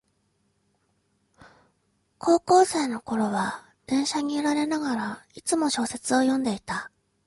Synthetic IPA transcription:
ko̞ːko̞ːse̞ːno̞ko̞ɾo̞βa | d̪̥ẽ̞ɰ̃ɕaɲ̟iiɾaɾe̞naɡaɾait͡sɨmo̞ɕo̞ːse̞t͡sɨo̞jõ̞nd̪e̞it̪a

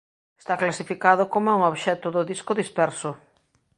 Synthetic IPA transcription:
e̥st̪aklasifikaðʊkomoɛuŋoβʃɛt̪ʊðʊðiskʊðispɛɾsʊ

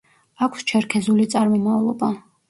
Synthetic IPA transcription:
akʷʰst͡ʃʰɛɾkʰɛzulit̪sʼaɾmɔmavlˠɔba

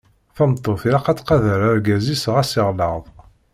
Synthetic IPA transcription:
θæmt̪ˤːoθiɾaqæt͡sːqɑðəɾæɾɡæzisʁæsiʁləʁðˤ

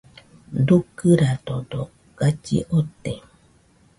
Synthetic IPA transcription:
dukːɨɾadodo | ɡ̥at͡ʃḭʔot̪ːe

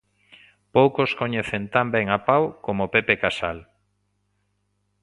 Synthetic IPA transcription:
powkoskoɲeθent̪ambɛŋapawkomopepekasa̰l

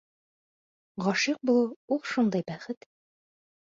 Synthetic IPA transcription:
ʁɒʃiq̚bulˠuulˠʃund̪ɑjbæχɘt̪

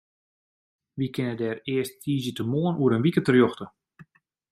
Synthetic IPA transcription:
ʋikʰɪnədɛːrɪəsttʰiːzjətəmoːənʔuəɾənʋikətərjɔxtə

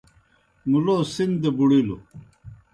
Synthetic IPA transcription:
muloːsind̪ebuɽilo̰

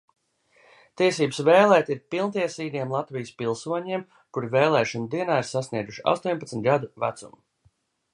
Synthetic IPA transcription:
t̪iɛsiːbɨsveːlˠɛːt̪ʲiɾpilˠnt̪iɛsiːd̪iɛmlˠat̪vijəspilˠsuɔɲiɛm | kuɾiveːlˠɛːʃɔnud̪iɛnaːiɾsasniɛd̪uʃia̰st̪uɔpat̪smʲt̪̚ʲɡad̪uvæt̪sṵm

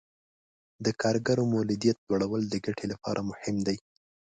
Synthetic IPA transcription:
d̪əkʰɑɾɡaɾomowlɪd̪ijat̪̚lwaɽawəld̪əɡaʈʰelapɑ̰ɾʔamʊhɪmd̪aj

